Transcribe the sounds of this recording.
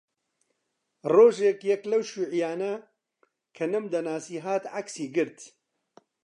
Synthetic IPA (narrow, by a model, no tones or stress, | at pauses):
roːʒeːkjɛklɐwʃuːʕijaːnɐ | kʰɐnɨmd̪ɐnaːsiːɦaːt̪ʕaksiːɡɨɾt̪